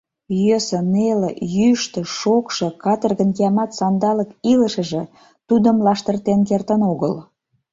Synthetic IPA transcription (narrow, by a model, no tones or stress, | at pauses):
jøsə̆nelejyʃt̪ə̆ʃokʃɤ̆kɑt̪ərɣənkeɑmɑt̪sɑnd̪ɑləkiləʃə̆ʒĕ | t̪ud̪əmlɑʃt̪ərt̪enkert̪ənoɣəl